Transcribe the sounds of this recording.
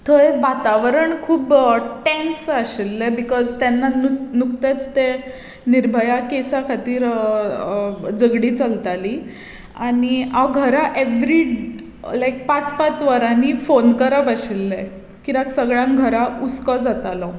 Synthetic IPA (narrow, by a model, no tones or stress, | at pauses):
t̪ʰəeʋat̪aʋəɾəɳkʰuːbʈẽnsəɕilːebikɔzt̪anːaunukt̪et͡st̪e | niɾbʱəjakesakʰat̪iːɾ | d͡zəɡɽiːt͡səlt̪ali | aniawɡʱəɾaʔeʋɾi | lajk̚pat͡spat͡sʋəɾãnifonkəɾəpaɕilːe | kiɾaksəɡɭjãŋɡʱəɾaut͡skɔd͡zat̪alɔ